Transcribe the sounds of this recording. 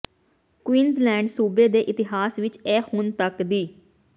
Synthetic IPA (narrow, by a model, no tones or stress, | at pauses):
kwiːnzlɛ̃ːɳɖsuːbeːd̪eːʔɪt̪ɪɦaːsʋɪt͡ʃɛːhʊnt̪əkd̪iː